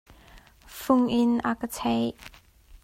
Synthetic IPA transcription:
fʊŋʔɪnʔakət͡sʰɛj

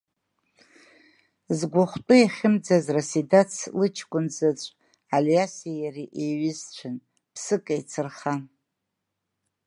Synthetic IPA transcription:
zɡʷaχʷtʼʊeχʲɪmd͡zazrasidat͡sʰlɨt͡ʃʰkʷʼʊnd͡zat͡ʃʷʼ | aljasijariʔeɥɪzt͡ɕʷʰɨn | pʰsɨkʼajt͡sʰɨrχa

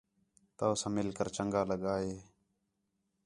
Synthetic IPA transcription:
t̪aːsãːmɪlkəɾt͡ʃəŋɡaːləɠaːɦeː

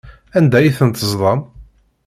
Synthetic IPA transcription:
ænd̪æjiθənt̪əzðˤɑm

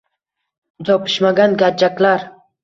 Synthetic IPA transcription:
d͡ʒɒpʰɪ̥ʃmaɡʲanɡʲad͡ʒakʲlaɾ

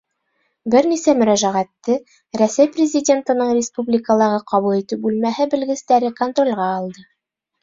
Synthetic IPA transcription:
bɘɾnisæmɵ̆ɾæʒæʁæt̪ːɘ | ɾæsæjprʲɪzʲɪdʲe̞nt̪ɤ̆nɤɴrʲɪspublʲɪkəlˠɑʁɤqɑβulˠit̪ɘp̚bʉlmæhɘbɘ̆lɡɘ̆st̪æɾɘkont̪ro̞lʲʁɑːlˠd̪ɤ

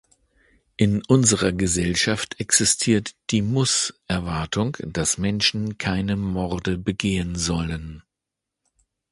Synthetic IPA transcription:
ʔɪnʔʊnzəʁɐɡəzɛlʃaftɛksɪstʰiːɐtd̥iːmʊsʔɛɐvaɐtʰʊŋd̥asmɛnʃn̩kʰaɪnəmɔʁdəbəɡeːənzɔlən

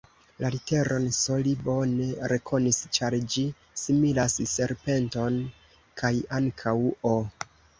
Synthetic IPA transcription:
lalite̞ɾʔo̞nso̞libo̞neɾe̞kʰo̞nist͡ʃaɾd͡ʒi | similasse̞ɾpe̞nto̞n | kʰajaŋkʰawo

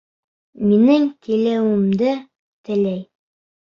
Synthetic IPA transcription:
minɘŋkilæwɘ̆md̪ɘ | t̪ɘ̆læj

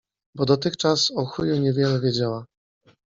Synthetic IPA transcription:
bɔd̪ɔt̪ɘxt͡ʂasɔxujuɲɛvʲjɛlɛvʲjɛd͡ʑawa

